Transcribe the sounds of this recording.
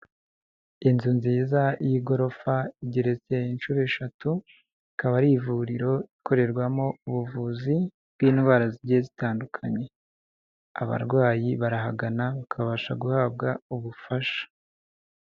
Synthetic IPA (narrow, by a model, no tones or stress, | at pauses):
inzunziːzajiɡo̞ɾo̞faiɟiɾe̞t͡se̞inʃuːɾeʃatu | ikaβaɾivuɾiɾo̞ikʰo̞ɾe̞ɾɡwamo̞uβuvuːzi | bɡ̥wiːnɡwaːɾaziɾɟezitaːndukʰaɲe̞ | a̰βa̰ɾɡwaːjiβaɾaɦaɡanaβakʰaβaʃaɡuhaːb̚ɡauβufaʃḁ